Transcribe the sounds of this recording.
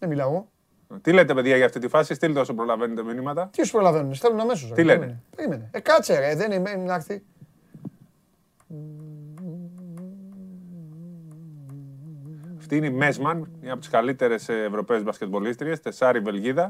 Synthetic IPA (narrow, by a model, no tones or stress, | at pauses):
nemilɐo | t̪ilet̪epe̞ðʝɐʝɐft̪it̪ifɐsist̪ilt̪eo̞sopɾo̞lɐvenet̪eminimɐt̪ɐt̪iospɾolɐvenunesθelunɐmes̬os̬ɐt̪ileneepeɾimeneekɐt͡seɾeðenimenɐɾθi | ɐft̪iineimezmɐnɲɐpot̪iskalit̪e̞ɾe̞sːvɾo̞peuzbɐscet̪̚bo̞list̪ɾie̞st̪e̞sɐɾive̞lʝiðɐ